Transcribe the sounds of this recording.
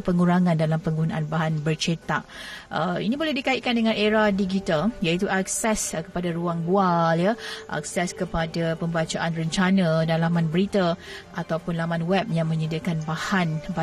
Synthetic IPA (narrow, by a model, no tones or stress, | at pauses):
pəŋuɾaŋãndalampəŋɡunaʔanbaɦanbərt͡ʃet̪aʔəḭnibolɛhdikaiʔ̚kandəŋãneɾadiɡit̪aljait̪uʔak̚sɛskə̥padaɾuaŋbualjaʔa̰k̚sɛskəpadapəmbat͡ʃaʔanrəɲt͡ʃanãdalamãnbəɾit̪aʔat̪awpʊnlamãnwɛp̚jaŋmə̃ɲədikanbahanba